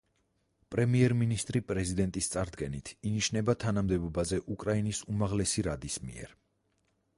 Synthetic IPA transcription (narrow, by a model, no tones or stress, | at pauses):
pʼɾɛmiɛɾminist̪ʼɾipʼɾɛzid̪ɛnt̪ʼist̪sʼaɾd̪ɡɛnit̪ʰiniʃnɛbat̪ʰanamd̪ɛbɔbazɛʔukʼɾainisumaʁlɛsiɾad̪ismḭɛ̰ɾ